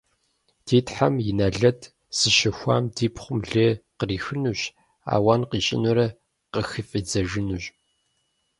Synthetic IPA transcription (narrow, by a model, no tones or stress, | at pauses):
d̥ʰeːtʰħamjɪnɐɮɐtʰ | z̥ɨʃɐxʷa̰ːmdiːpʰχʷʊmɮeːqəriːxɨnuɕ | a̰ːwaːnqiːɕʼɪ̰nuɾɐ | qəxɨfʼid͡zɐʒɨnuɕʼ